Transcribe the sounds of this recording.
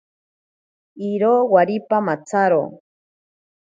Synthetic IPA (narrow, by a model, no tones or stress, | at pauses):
iɾoːwaɾipamat͡saɾo̰ː